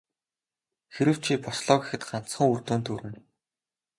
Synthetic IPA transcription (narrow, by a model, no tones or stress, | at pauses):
xeɾɘ̆w̥t͡ɕʰiːpɔsɮɔːɣexɘ̆t̪ɢan̥t͡sχə̆ŋurt̪uːnt̪uɾɘ̆n